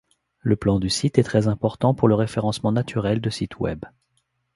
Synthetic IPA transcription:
ləplɑ̃d̪ysit̪ɛt̪χɛzɛ̃pɔʁt̪ɑ̃puʁləʁefeʁɑ̃smɑ̃nat̪ʰyʁɛld̪əsit̪ʰwɛ̰b

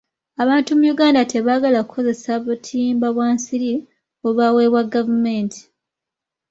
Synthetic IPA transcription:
aβaːntumujuɡaːndate̞βaɡalakukʰːo̞ze̞saβutʰiːmbaβwaːnsiɾi | oβawe̞ːβwaɡːavume̞ːntʰi̥

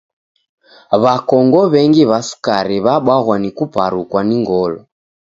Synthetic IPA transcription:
βakɔŋɡɔβɛŋɡiβasu̥kaɾiβaɓwaɣwanikupa̰ɾukwaniŋɡɔlɔ

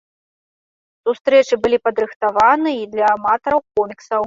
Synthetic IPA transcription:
sust̪ɾɛt͡ʂɨbɨlʲipɐd̪ɾɨxt̪avanɨid̪lʲɐːmat̪ɐɾɐwkɔmʲiksɐw

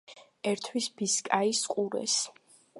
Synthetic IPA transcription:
ɛɾt̪ʰwisbiskʼaisqʼuɾɛ̰s

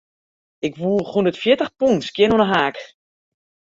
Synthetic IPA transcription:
ɪkʋuːχundətfjɪtəxpuntskjɪnonəɦaːk

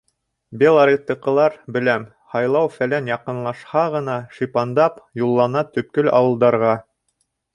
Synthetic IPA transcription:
bʲelˠaɾʲit̪ːɤqɤ̆lˠɑɾbɘ̆læm | hɑjlˠɑwfælænjɑqɤ̆nlˠɑʃhɑʁɤ̆nɑʃipɑnd̪ɑpjulˠːɑnɑt̪ɵ̆p̚kɵlɑ̰wɤ̆lˠd̪ɑɾʁɑ

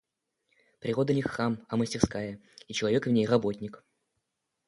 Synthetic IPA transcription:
pɾʲɪʁo̞d̪ənʲɪxːamɐməsʲtʲɪrskajəit͡ɕɪlˠɐvʲe̞kvnʲejrɐbotʲnʲɪk

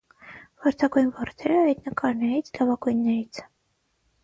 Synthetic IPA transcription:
vɑɾt̪ʰɑɡujnvɑrt̪ʰɛɾəɑjt̪nəkɑɾnɛɾit͡sʰlɑvɑɡujnːɛɾit͡sʰ

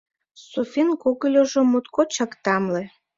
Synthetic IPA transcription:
sufʲinkuɣəlʲoʒomut̪kot͡ɕɑkt̪ɑmle

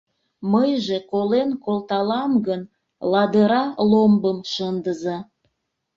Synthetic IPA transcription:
məjʒekolenkolt̪ɑlɑmɡən | lɑd̪əɾɑlombəmʃənd̪əzɑ

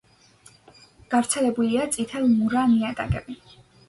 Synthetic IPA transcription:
ɡ̥avɾt̪sʰɛlɛbuliat̪sʼit̪ʰɛlˠmuɾaniat̪ʼa̰kʼɛ̰bi

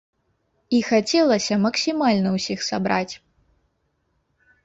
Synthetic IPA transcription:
ixat͡sʲɛlˠɐsʲɐmɐksʲimalʲnɐwsʲixsabɾat͡sʲ

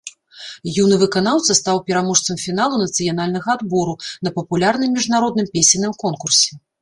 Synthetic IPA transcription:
junɨvɨkanawt̪sɐst̪awpʲɛɾamɔʂt̪sɐmfʲinalˠunɐt̪sɨjan̪alʲnɐɣɐad̪bɔɾunɐpɐpulʲarnɨmːʲiʐnaɾɔd̪nɨmpʲesʲinɨmkɔnkursʲɛ

